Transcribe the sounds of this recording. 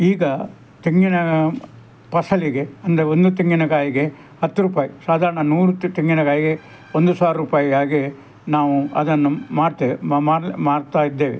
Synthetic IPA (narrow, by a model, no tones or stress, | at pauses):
iːɡɐ | t̪iŋɡinɐ | pɐsɐliɡe̞ɐnd̪ɐɾeond̪ut̪iŋɡinɐɡaːjiɡe̞ | hɐt̪ːuɾuːpaːjisaːd̪ʱaːɾɐɳɐnuːɾut̪iŋɡinɐkaːjiɡe̞ | ond̪usaːɾɾuːpaːjiɡaːɡe | naːʋuɐ̰d̪ɐnːumaːɽt̪emaːɾmaːɽt̪aːjid̪ːeːʋḛ